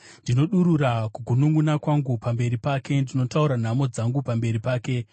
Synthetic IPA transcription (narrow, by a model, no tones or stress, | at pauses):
ndino̞ɗuɾurakuɡʱunuŋɡunakwaŋɡupambe̞ɾipaːke̞ndino̞tauɾan̤amo̞d͡zaŋɡupambe̞ɾipaːke̞